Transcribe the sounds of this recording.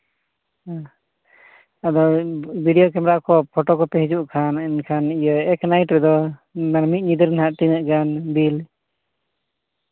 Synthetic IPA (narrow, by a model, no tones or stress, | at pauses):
ad̪ɔbʱiɖijɔkɛmɾaʔkɔpʰɔʈɔkɔpɛɦid͡ʒuʔkʰaninkʰanijəɛknajʈɾɛd̪ɔmaɾmit̪̚ˀɲid̪əɾnɦaʔt̪inəʔɡanbil